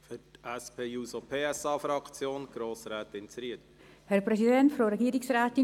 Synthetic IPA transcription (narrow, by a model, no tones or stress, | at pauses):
fʏɾtɛspʰeːjuːsopʰeːɛsɑːfɾɑkt͡sjoːnɡ̥ɾoːsɾɛːt̪ɪnt͡sɾiət | hɛɾpɾɛsidɛntfɾoɾɛɡiːəɾɪksraːtɪ